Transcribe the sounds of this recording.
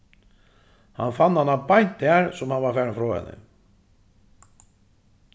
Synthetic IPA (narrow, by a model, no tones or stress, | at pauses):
ha̰nfanːhanːapajn̥t̪aɾsʊmhanvaɾfɛːɾanfɾɔːɛ̰nɪ̰